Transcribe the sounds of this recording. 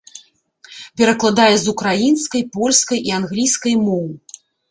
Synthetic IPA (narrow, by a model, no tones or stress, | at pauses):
pʲɛɾɐklˠad̪ajɛzukɾajinskɐjpɔlʲskɐjʔianɣlʲijskɐjmɔwɨ